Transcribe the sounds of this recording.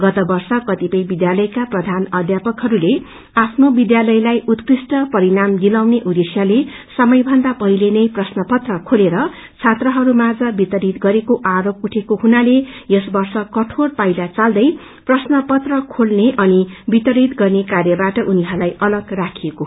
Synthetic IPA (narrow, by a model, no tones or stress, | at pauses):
ɡʌt̪ʌbʌrsʌkʌt̪ipʌjbid̪jalʌjkaprʌd̪ʱanʌd̪ʱjapʌkɦʌɾule | apʰnobid̪jalʌjlajʔut̪krisʈʌpʌɾinamd̪ilawneʔud̪esjale | sʌmʌjbʱʌnd̪apʌɦilenʌjprʌsnʌpʌt̪rʌkʰoleɾʌ | t͡sʰat̪rʌɦʌɾumad͡zʌbit̪ʌɾit̪ɡʌɾekoʔaɾop̚uʈʰekoɦunalejʌsbʌrsʌkʌʈʰorpajlat͡sald̪ʌj | prʌsnʌpʌt̪rʌkʰolneʔʌnibit̪ʌɾit̪ɡʌrnekarjʌbaʈʌʔuniɦʌɾlajʌlʌɡrakʰijeko